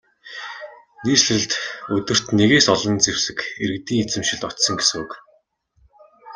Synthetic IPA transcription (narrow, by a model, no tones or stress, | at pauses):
niːsɘ̆ɮt̪ɵt̪ɘ̆r̥t̪neɣeːsɔɮɞ̆nt͡sewsɘ̆kḛɾɘ̆k̚t̪iːŋet͡sɘ̆mʃɪ̆ɮt̪ɔt̪sɞ̆ŋɡesɘ̆ŋuk